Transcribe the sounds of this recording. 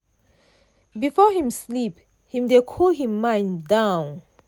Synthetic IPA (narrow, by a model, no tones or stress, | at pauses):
bifɔhĩmslip | hĩmdekʰɔlɦĩmːãɪ̃ndãʊ̃n